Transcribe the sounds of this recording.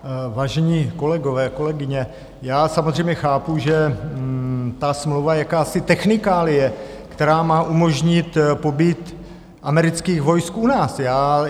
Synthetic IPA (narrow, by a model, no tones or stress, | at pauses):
vaːʒɛɲiːko̞lɛɡovɛːko̞lɛɡɪɲɛ | jaːsamozr̝ɛjmɲɛxaːpuʒɛ | t̪asmlowvajakaːsɪt̪ɛxnɪkaːlɪjɛ | kt̪ɛɾaːmaːʔumo̞ʒɲɪt̪po̞biːt̪ | ʔamɛɾɪt͡skiːɣvo̞jskʔunaːsjaː